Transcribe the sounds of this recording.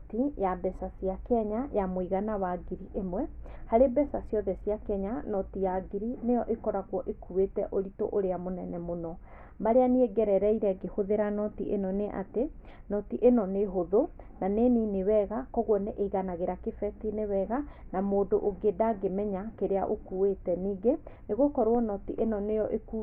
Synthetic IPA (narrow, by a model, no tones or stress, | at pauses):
tijabɛsasiakɛɲajamwiɣanawaɡiɾiʔemwɛhaɾebɛsasijɔðɛsiakɛɲanɔtijaɡiɾinejɔʔekɔɾaɣwɔʔekuwetɛʔoɾito̰ʔoɾeamonɛnɛmonɔ | maɾeanieɡɛɾɛɾɛiɾɛɡehoðeɾanɔtiʔenɔneʔa̰te | nɔtiʔenɔneɦoðonaneninewɛɣakɔɣwɔneʔeɣanaɣeɾakefɛtinewɛɣanamoːdoʔoɡedaɡemɛɲakeɾea̰ʔokuwetɛniːɡeneɣokɔɾwɔnɔtiʔenɔnejɔʔeku